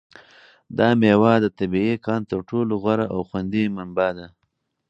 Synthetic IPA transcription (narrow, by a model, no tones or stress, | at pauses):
d̪ɑmewɑd̪ət̪abiekɑːnt̪əɾʈoloɣwaɾaʔawxwand̪imambad̪a